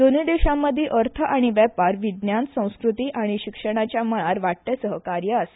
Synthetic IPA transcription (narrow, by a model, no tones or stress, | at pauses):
d̪onid̪eɕamːəd̪ʱːjeʔəɾt̪ʰəʔaɽ̃iʋɛpaɾʋid̪njãnt̪sə̃w̃skɾut̪iːʔaɽ̃iɕikʂəɽ̃at͡ɕjaməɭaɾʋaʈ̚t̪jasəɦəkaɾjəase̥